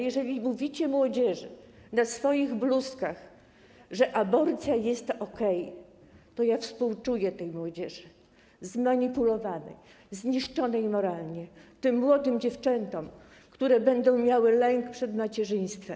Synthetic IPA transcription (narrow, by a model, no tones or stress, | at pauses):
jɛʐɛlʲimuvʲit͡ɕɛmwɔd͡ʑɛʐɘnasfɔjiɣbluskax | ʐɛʔabɔɾt̪sʲjajɛst̪ɔkɛj | t̪ɔjafspuwt͡ʂujɛt̪ɛjmwɔd͡ʑɛʐɘ | zmaɲipulɔvanɛ̰j | zɲiʂt͡ʂɔnɛjmɔɾalɲɛt̪ɘmːwɔd̪ɘmd͡ʑɛft͡ʂɛnt̪ɔm | kt̪uɾɛbɛnd̪ɔ̃w̃mʲjawɘlɛŋkpʂɛd̪mat͡ɕɛʐɘj̃st̪fɛm